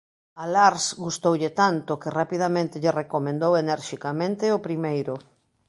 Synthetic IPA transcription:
alaɾsɡust̪owʎɪt̪ant̪ʊkɪrapið̞amẽnt̪ɪʎɪrekomẽnd̪owenɛɾʃikamẽnt̪ɪʊpɾimejɾʊ

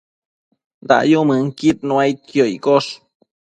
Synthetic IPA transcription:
nd̪a̰ʔjumɨŋkit̪̚nũajt̪̚kjoikoʂ

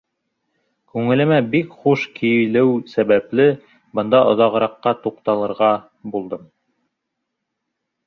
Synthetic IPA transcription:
kʉŋɘ̆lɘ̆mæbikχuʃkʰijlɘwsæβæplɘ | bɤ̆nd̪ɑʔŏðɑʁɤ̆ɾɑqːɑt̪uqt̪ɑlˠɤ̆ɾʁɑ | bulˠd̪ɤm

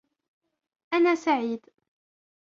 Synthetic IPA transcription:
ʔanaːsaʕiːd̪

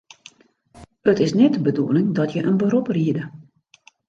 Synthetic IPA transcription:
ətɪsnɛt̚əbəduəlɪŋdɔtʰjəʔənbəɾupriədə

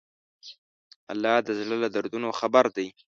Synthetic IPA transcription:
a̰lːɑd̪əzləlad̪aɾd̪unoxabaɾd̪aj

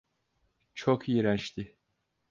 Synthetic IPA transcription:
t͡ʃʰokʰjiɾænt͡ʃt̪ʰɪ

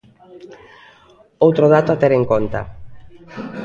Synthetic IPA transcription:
owt̪ɾoð̞at̪oat̪ɛɾeŋkont̪ɐ̰

